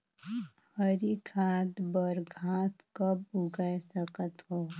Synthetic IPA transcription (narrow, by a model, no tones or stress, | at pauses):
həɾikʰaːd̪bəɾɡʱaːskəb̚ʊɡəjsəkət̪ɦoː